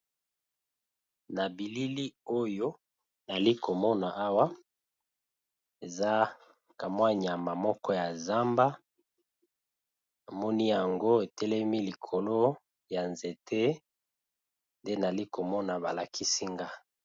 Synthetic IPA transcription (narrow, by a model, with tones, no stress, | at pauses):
na˨bi˨li˦li˦o˦jo˦ | na˨li˦ko˨mɔ˦na˨ʔa˦wa˦ | e˨za˦ | ka˨mwa˦ɲ˨a˨ma˨mɔ˦kɔ˦ja˨za˦mba˦ | na˨mɔ˦ni˦ja˨ŋɡo˦e˨tɛ˦lɛ˦mi˦li˨kʰo˨lo˦ | ja˨nze˨tʰe˦ | nde˦na˨li˦ko˨mɔ˦na˨ba˨la˨ki˦si˦ŋɡa˦